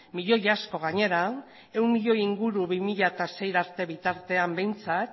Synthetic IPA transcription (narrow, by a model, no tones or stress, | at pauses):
miʎo̞jasko̞ɣ̞aɲe̞ɾa | e̞wnmiʎo̞jiŋɡuɾuβimiʎaet̪ase̞jɾaɾt̪e̞βit̪aɾt̪e̞ambe̞jnt͡sat̪̚